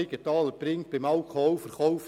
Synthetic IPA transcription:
ɪɡət̪ɑːləpɾɪŋt̚b̥ɪmɑlkʰɔɔʊfəɾχɔwf

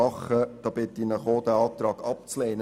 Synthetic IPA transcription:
ɑχəd̥ɑːb̥ɪt̪ːinəχoːd̥̪æɑːt̪ɾɑːɡ̥ɑp̚t͡sleːn

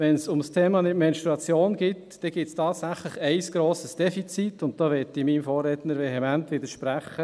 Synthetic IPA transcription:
ʋɛnsʊmstʰeːmɑnɪtmɛnʃtɾuɑt͡sjoːnɡɪtd̥ɛɡ̥ɪtstʰɑːt̪sæχlɪχɛɪsɡ̥ɾoːsəsd̥ɛfit͡sit̪ʊnt̚d̥ɑːʋɛtɪmiːmfoːrːɛtnəɾʋɛɦɛmɛntʋɪd̪əɾʃpɾæχːə

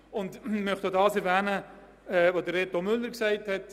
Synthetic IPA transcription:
ʊndmœχtoːdɑːsɛɾvɛːnə | ɛːvodəɾetomʏlːəɾksæɪthɛt

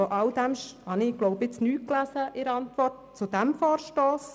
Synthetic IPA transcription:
ɔʔɑld̥̪æmʃhɑnɪɡ̥loʊpɪt͡snyːklæzəʔɪɾɑntʋɔrt̚t͡sʊd̥̪æmfɔːɾʃtoːs

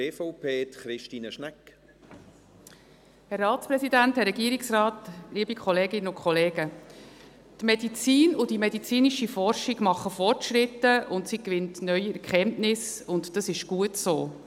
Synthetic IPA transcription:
eːfɔʊpʰeːt̪χɾɪʃtiːnəʃnɛk | hɛrːɑːtspɾɛsidænthɛɾɛɡiəɾɪksrɑːtliəbikʰχɔleːɡɪnːəʊkʰχɔleːɡə | tmɛdit͡siːnʊdimɛdit͡siːniʃifɔrʃiɡ̥mɑχːəfɔrtʃɾɪtːəʔʊntsikʋɪntnœʏiɛkχɛntnɪsʊntd̥ɑsɪʃɡ̥uətsoː

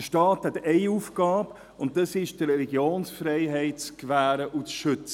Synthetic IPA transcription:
əʃtɑːthɛtɛɪufɡɑːb | ʊnt̚dɑsɪʃd̥əɾɛliɡjoːnsfɾɛɪɦɛɪt̚t͡skvæːɾəʔut͡sʃʏt͡sə

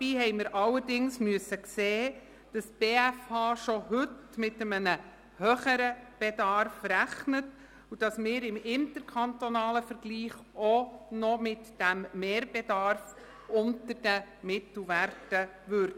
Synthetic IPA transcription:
b̥iːhɛɪməɾʔɑlːəɾdɪŋsmyəsːəkseː | d̥ɑstb̥eːæfhɑːʃɔhɵtmɪtəmənə | høːχəɾəb̥ɛdɑrfɾæχnət | ud̥ɑsmɪːɾɪmɪntəɾkʰɑntɔnɑːləfəɾɡ̥liːχ | ɔnɔmɪtd̥æmːeːɾb̥edɑrf | ʊntəɾd̥əmɪtl̩ˠʋærtə | ʋøɾd

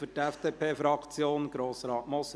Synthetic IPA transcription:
fytɛfd̥̪eːpʰeːfɾɑkʰt͡sjoːnɡ̥ɾoːsɾɑːtmɔs

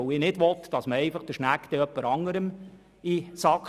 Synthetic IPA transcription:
oɪnɪdʋɔt̪d̥ɑsməɛɪfɑχd̥əʃnækd̥̪ɛœpːəɾɑŋəɾəm | isɑk

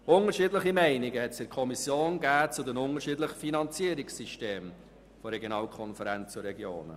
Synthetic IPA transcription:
ʊnəɾʃiːdləχimɛɪnɪɡəhɛtsɪkʰɔmisjoːnɡæːt͡sudɛnʊnəɾʃiːdləχəfinɑnt͡siəɾɪksiʃteːm | foɾɛɡjonɑːlkʰɔnfəɾɛnt͡st͡suɾɛɡjo̰ːnə̰

